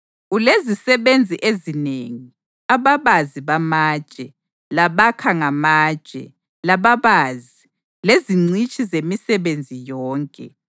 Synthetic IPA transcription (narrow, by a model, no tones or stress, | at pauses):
ulezisɛβend͡zʱiʔezineːŋi | aβaβaziβamaːd̥ʒ̥ʼʱɛ | laβakʰaŋamaːd̥ʒ̥ʼʱɛ̰ | laβaβaːzi | leziŋ͡ǀit͡ʃʼizemisɛβend͡zʱijɔːŋkʼɛ̰